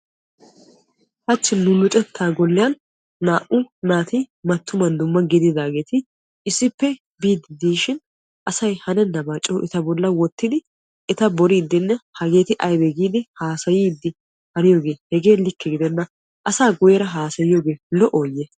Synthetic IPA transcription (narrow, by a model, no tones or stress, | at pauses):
hɐt͡ʃːɪnːʊlʊt͡ʃʼɛt̪ʰːaːɡɔlːɪjɐnː | aːʔʊnaːt̪imɐt̪ːʊmɐnd̪ʊmːɐɡɪd̪ɪd̪aːɡe̞ːt̪ɪ | ɪsːɪpːɛ | biːd̪ɪd̪iːʃɪn | ʔɐsɐjhɐnɛnːɐmat͡ʃʼːoːʔɛt̪ɐbɔlːɐwɔt̪ːɪd̪ɪ | ɛt̪ɐbɔɾiːd̪ːɪnːɛhɐɡe̞ːt̪ɪʔɐjbɛɡiːd̪ɪhaːsɐjiːd̪ːɪ | hɐnɪjo̞ːɡe̞ːhɛɡe̞ːlɪkːɛɡɪd̪ɛnːɐ | ʔɐsaːɡʊjɛɾɐɦaːsɐjɪjoːɡe̞ːlɔʔoːjɛ